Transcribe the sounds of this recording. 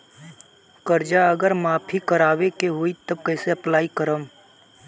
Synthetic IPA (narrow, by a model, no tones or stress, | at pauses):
kəɾd͡ʒaəɡəɾmaːpʰikəɾaːʋekeɦoit̪ɐb̚kɛːseɐplaːikəɾəm